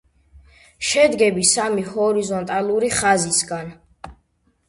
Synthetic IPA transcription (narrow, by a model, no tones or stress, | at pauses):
ʃɛd̪ɡɛbisamihɔɾizɔnt̪ʼalˠuɾiχazisɡan